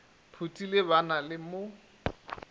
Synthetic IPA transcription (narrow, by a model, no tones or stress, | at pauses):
pʰutʼilɪbanalɪmo